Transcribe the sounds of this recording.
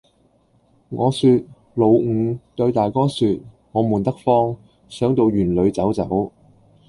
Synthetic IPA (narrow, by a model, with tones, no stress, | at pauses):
ŋɔː˨˧syː˧t̚ | lo˨˧wŋ̩˨˧t̪ɵ˧ɥt̪aː˨˩jkɔː˥syː˧t̚ | ŋɔː˨˧muː˨˩nt̪ɐ˥k̚fɔː˥ŋ | sœː˨˥ŋt̪o˨˧wjyː˨˩nlɵ˨˧ɥt͡sɐ˨˥wt͡sɐ̰˨˥w